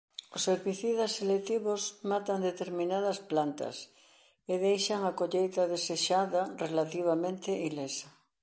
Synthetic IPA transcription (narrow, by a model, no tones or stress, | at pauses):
osːeɾβiθiðasːelet̪iβosmat̪ɐnd̪et̪eɾmĩnað̞ɐsplant̪ɐ̰s | eðejʃaŋakoʎejt̪ɐðeseʃaðɐrelat̪iβ̞amẽnt̪eʔilesɐ